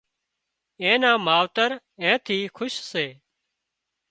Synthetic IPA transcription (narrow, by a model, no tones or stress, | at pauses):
ẽːnãːmaːʋt̪əɾ | ɛ̃ːt̪ʰiːkʰʊʃseː